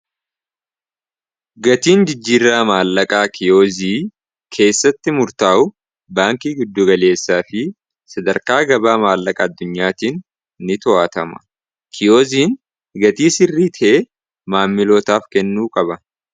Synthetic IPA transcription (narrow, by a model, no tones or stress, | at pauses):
ɡɐt̪iːnd͡ʒɪd͡ʒːiːrːaːmaːlːɐkʼaːkʰɪjo̞ːziː | kʰe̞ːsːɐt̪ːɪmʊɾt̪aːʔʊ | baːŋkiːɡʊd̪ːʊɡɐle̞ːsːaːfɪ | sɐd̪ɐɾkaːɡɐbaːmaːlːɐkʼɐːd̪ːʊɲːaːt̪iːn | nɪt̪ɔaːt̪ɐmɐ̥ | kʰɪjoːziːn | ɡɐt̪iːsɪrːiːt̪ʰɛʔe | maːmːɪlo̞ːt̪aːfkɛnːuːkʼɐbɐ